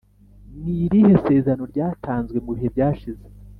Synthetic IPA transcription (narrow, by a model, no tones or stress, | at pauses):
niɾihe̞se̞ːzano̞ɾɟaːtʰaːnzɡwe̞muβihe̞bɟaːʃize